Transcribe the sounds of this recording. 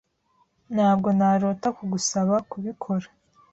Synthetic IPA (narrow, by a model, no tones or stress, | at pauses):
nhaːb̚ɡo̞naɾo̞ːtakuɡusaβakuβikʰo̞ɾa